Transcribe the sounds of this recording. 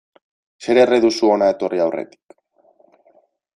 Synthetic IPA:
se̞ɾereðusuo̞naet̪o̞rʔiawre̞̰t̪i̥k

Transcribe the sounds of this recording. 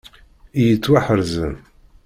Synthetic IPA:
ijət͡sːwaħəɾzən

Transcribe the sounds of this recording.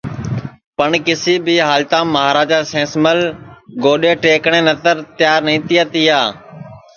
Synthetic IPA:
pəɳkɪsiːbiːɦaːlt̪ãːmːəɦaːɾaːd͡ʒaːsẽːsməlɡoːɗeːʈeːkɳ̃eːnət̪əɾt̪ɪjaːɾnĩːt̪iːaːt̪iːaː

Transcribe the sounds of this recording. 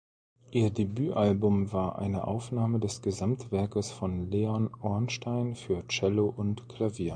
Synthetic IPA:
ʔiːɐdebyːʔalbʊmvaːɐʔa̰ɪnə̰ʔa̰ʊfnaːmədɛsɡ̥əzamtv̥ɛɐkəsfɔnleanʔɔɐnʃtaɪnfyːɐt͡ʃɛloʔʊntkʰl̥aviːɐ

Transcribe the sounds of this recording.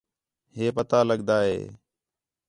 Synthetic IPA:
ɦeːpət̪aːləɠd̪aːɦḛː

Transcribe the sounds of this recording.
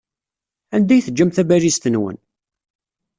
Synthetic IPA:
ænd̪æjθəd͡ʒːæmθæbælist̪ənwə̰n

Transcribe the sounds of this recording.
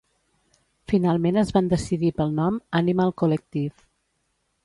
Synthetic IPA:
finalˠmenəzβand̪əsiðipəlˠnɔmənimalˠkulək̚t̪if

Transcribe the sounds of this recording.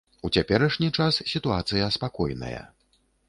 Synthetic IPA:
ut͡sʲapʲɛɾɐʂnʲit͡ʂassʲit̪uat̪sɨjɐspakɔjnɐ̰jɐ̰

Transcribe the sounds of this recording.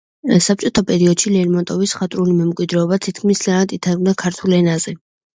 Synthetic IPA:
sap̚t͡ʃʼɔt̪ʰapʼɛɾiɔd̪̥ʃilɛɾmɔnt̪ʼɔvisχat̪ʼɾulimɛmkʼwid̪ɾɛɔbat̪ʰit̪ʰkʰmist̪ʼanad̪it̪ʰaɾɡ̚nakʰaɾt̪ʰulɛnazɛ

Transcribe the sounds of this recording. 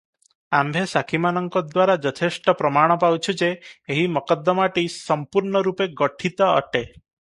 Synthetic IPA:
ambʱesakʰimanɔŋkɔd̪waɾad͡ʒɔt̪ʰesʈɔpɾɔmaɽ̃ɔpawt͡ʃʰud͡ʒeːɦimɔkɔd̪ːɔmaʈisɔmpuɾɳɔɾupeɡɔʈʰit̪ɔ̰ːʈe

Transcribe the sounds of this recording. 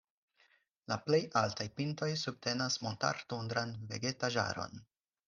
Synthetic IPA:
laple̞jʔaltajpinto̞jsub̚te̞nasmonta̰ɾtundɾanve̞̰ɡe̞taʒa̰ɾo̞̰n

